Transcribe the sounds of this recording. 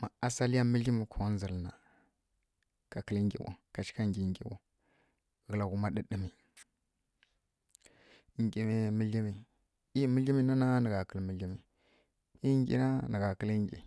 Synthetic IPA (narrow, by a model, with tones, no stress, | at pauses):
ma˨a˦sa˦li˦ja˦mə˦ɮi˦mi˨kʰo˨ɣn˦zə˨lna˨ | ka˨kə˦lŋ˦ɡʲḭ˨wo̰˨ka˨t͡ʃi̥˦ka˦ŋɡʲi˨ŋɡʲḭ˨wo̰˨ | ɣə˨la˨ɡu˦ma˦ɗə˦ɗi˦mi˨ | ŋ˨ɡʲi˨mi˨mə˦ɮi˦mi˨ | i˦mə˦ɮi˦mi˦na˦na˦nə˨ɡa˨kə˨lmə˨ɮi˦mi˨ | i˦ŋɡʲḭ˦na˦nə˨ɡa˨kə˦lə˦ŋɡʲḭ˨